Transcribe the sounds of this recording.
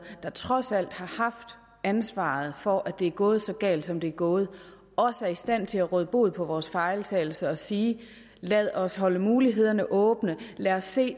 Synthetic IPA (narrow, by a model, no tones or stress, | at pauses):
d̥ɑ̈t͡sʰʁɒ̽sæl̰d̥hɑ̈hɑ̈fd̥ | ænsʋɑ̰̈ðˠfɒʔæd̥e̝æɐɡ̥ɔ̽ːð̞̩ˠsɒ̽ɡ̥ɛ̰ːld̥sɒ̽md̥e̝æɐɡ̥ɔ̽ːð̞̩ˠ | ʔɒ̽səæɐisd̥æn̰t͡sʰe̝læʁœð̞ˠb̥o̝ð̩̰ˠpʰɒ̽ʋɒːsfɑ̈ɪlt͡sʰɛːɪl̩səɒ̽siː | læð̞ˠɒ̽sɦɒ̽ləmuːliɦe̝ð̞̰ˠɐnəʔɔ̽ːb̥nəlæːɒse̝̰ː